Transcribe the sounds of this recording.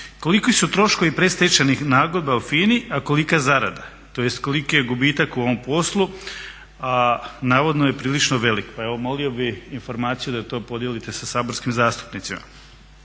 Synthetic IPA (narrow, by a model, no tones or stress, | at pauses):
ko̞likisut̪ɾo̞ʃko̞ʋipɾe̞st̪et͡ʃanixnaːɡod̪baufiːniʔako̞likazaɾa̰d̪a | t̪o̞je̞st̪ko̞likojeɡubiːt̪akuo̞ʋo̞mpo̞slˠu | anaːʋod̪noje̞pɾiːlit͡ʃnoʋe̞likpae̞ʋomo̞lio̞biinfo̞ɾmaːt̪sijud̪at̪o̞ːpo̞d̪jelit̪e̞sasaːbo̞ɾskimzaːst̪u̥pnit̪sima̰